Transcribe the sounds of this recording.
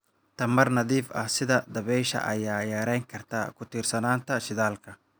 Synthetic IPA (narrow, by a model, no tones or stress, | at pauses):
t̪ʰɐmɐrnɐðiːfɐ̰hsɪðɐd̪ɐβɛjʃɐ̰ʔɐjaːjaːɾɛjŋkʰɐrt̪ʰa̰ːkʰʊt̪ʰiːrsɐnaːnt̪ʰɐʃɪðaːlkʰɐ